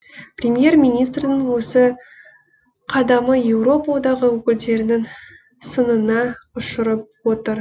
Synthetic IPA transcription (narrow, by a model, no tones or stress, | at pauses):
prʲemje̞rmʲijnijst̪rnɪŋwɵsɪ | qʰɑd̪ɑməje̞wɾo̞pawd̪ɑʁəwɵkʲɪld̪e̞ɾɪnɪŋ | sənənɑʊʃəɾəp̚wo̞t̪əɾ